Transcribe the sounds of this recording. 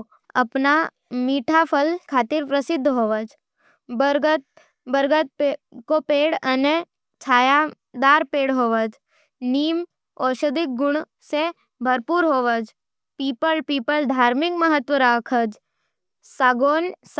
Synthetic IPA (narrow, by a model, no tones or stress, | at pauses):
ɐpna | miːʈʰapʰəlkʰaːt̪ɪɾpɾəsɪd̪ʱːɦoːʋəd͡ʒ | bəɾɡt̪̚ | bəɾɡət̪̚pkopeːɽɐne | t͡ʃʰaːja | d̪aːɾpeːɽɦoːʋəd͡ʒ | niːm | ɔːʃəd̪ɪk̚ɡʊɽ̃ | se | bʱəɾpuːɾɦoːʋəd͡ʒ | piːpəlpiːpəld̪ʱaːɾmɪkməɦət̪ʋəɾaːkʰəd͡ʒ | saːɡoːns